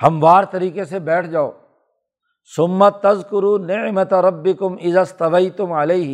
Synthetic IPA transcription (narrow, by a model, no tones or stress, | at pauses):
hɐmʋaːɾt̪ɐɾiːkesebɛːʈʰd͡ʒaːo̰ː | sʊmːɐt̪ɐzkʊɾuːnɪʕmɐt̪ɾɐbːɪkʊmɪzaːst̪ɐʋɐjt̪ʊmʕɐlɐːɦ